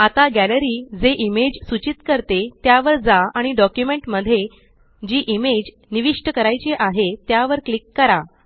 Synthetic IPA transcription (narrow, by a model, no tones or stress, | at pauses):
at̪aɡæləɾiːd͡zeʔimed͡ʑsut͡ɕit̪kəɾt̪et̪jaʋəɾd͡zaaɽ̃iɖɔkjumeɳʈməd̪ʱːje | d͡ʑiːʔimed͡ʑ | niʋiʂʈəkəɾajt͡ɕeʔaɦet̪jaʋəɾklikːəɾa